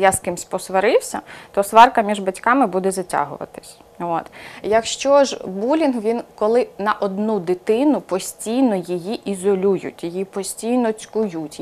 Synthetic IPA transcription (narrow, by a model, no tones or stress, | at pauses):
jaskɪmsʲpɔsʋɐɾɪwsʲɐ̰t̪ɔsʋɑrkɐmʲiʒbɐtʲkɑmɪbud̪ɛzɐtʲa̰ɦʊ̰ʋɐ̰t̪ɪ̥sʲ | o̰t̪jɐkʃt͡ʃɔʒbulʲinɦʋʲinkɔlˠɪnɐʔɔd̪nud̪ɪt̪ɪnʊpɔsʲtʲijnɔjɪjiʔizɔlʲujʊ̰tʲjɪjipɔsʲtʲijnɔt͡sʲkʊjutʲ